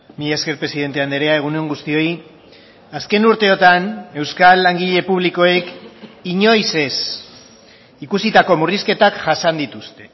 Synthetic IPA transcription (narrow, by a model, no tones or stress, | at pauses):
mijaske̞ɾpɾesiðe̞nt̪e̞and̪eɾe̞ae̞ɣ̞uneeŋɡust̪io̞i | aske̞nuɾt̪e̞o̞t̪ane̞wskalːaŋɡiʎe̞puβ̞liko̞ekiɲo̞jse̞s | ikusit̪ako̞muriske̞t̪akʝasand̪it̪ust̪e̞